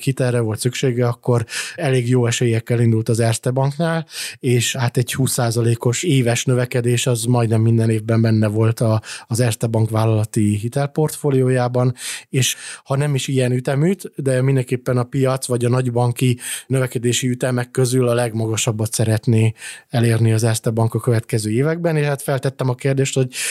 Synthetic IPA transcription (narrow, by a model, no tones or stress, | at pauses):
hit̪ɛrːɛvo̞lt̪sykʃeːɡɛɒkːo̞ɾɛleːɡjoːɛʃeːjɛkːɛlind̪ult̪ɒzɛrst̪ɛbɒŋknaːleːʃhat̪ɛɟhuːsːaːzɒleːko̞ʃeːvɛʃnøvɛkɛd̪eːʃɒzmɒjd̪nɛmːind̪ɛneːvbɛmbɛnːɛvo̞lt̪ɒzɛrst̪ɛbɒŋkʋaːlːɒlɒt̪iɦit̪ɛlpo̞rt̪foːlijoːjaːbɒneːʃhɒnɛmiʃijɛnyt̪ɛmyːt̪d̪ɛmind̪ɛŋkeːpːɛnɒpijɒt̪sʋɒɟɒnɒɟbɒŋkinøvɛkɛd̪eːʃiyt̪ɛmɛkːø̞zylɒlɛɡmɒɡɒʃɒbːɒt̪sɛɾɛt̪neːɛleːrniɒzɛrst̪ɛbɒŋkɒkøvɛt̪kɛzøːeːvɛɡ̚bɛneːʃaːt̪fɛlt̪ɛt̪ːɛmɒkeːrd̪eːʃt̪ho̞ɟ̚